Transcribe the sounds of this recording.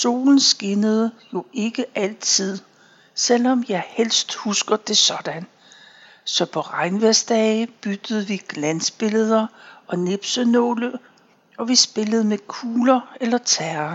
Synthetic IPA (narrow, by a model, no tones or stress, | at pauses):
so̝̰ːln̩sɡ̥e̝nəð̩ˠjo̝e̝ɡ̥əʔæl̰t͡sʰið̞̰ˠ | sel̰ɒ̽mjɑ̈ɪhel̰sd̥husɡ̥ɐd̥e̝sɒ̽d̥æn | sɒ̽pʰɒ̽ʁɑ̈ɪnʋesd̥ɛɪb̥yd̥əð̞̩ˠʋiɡ̥lænsb̥e̝ləð̞ˠɐɒ̽ne̝b̥sənɔ̰ːlə | ɒ̽ʋisb̥e̝ləð̞̩ˠmekʰuːlɐelɐt͡sʰæːɐɐ